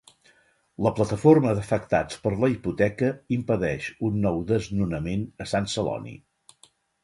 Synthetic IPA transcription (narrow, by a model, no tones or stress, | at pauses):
ləplət̪əforməðəfək̚t̪at͡spəɾləiput̪ɛkəimpəðɛʃunːɔwðəznunəmenəsansəlɔ̰nḭ